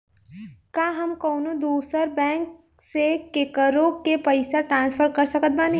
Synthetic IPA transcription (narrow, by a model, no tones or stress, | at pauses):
kaːɦɐmkɔːnõd̪uːsəɾbɛ̃ːŋk | sekekəɾõkepɐɪsaʈɾãːnspʰəɾkɐɾsəkət̪̚baːni